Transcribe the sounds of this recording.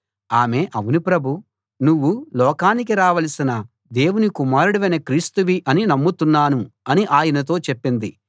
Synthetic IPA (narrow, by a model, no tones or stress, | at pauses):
aːme̞ːʔɐʋunipɾɐbʱu | nuʋːulɔːkaːnikiɾaːʋɐlɐsinɐ | d̪e̞ːwunikumaːɾuɽiʋɐjnɐkɾiːst̪uʋiʔɐninɐmːut̪unːaːnuɐniʔaːjɐnɐt̪̬o̞ːt͡ʃepːind̪i